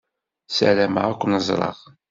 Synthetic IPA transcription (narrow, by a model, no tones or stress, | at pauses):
sæ̰læmaækʷːənəzˤɾˤɑ̰ʁ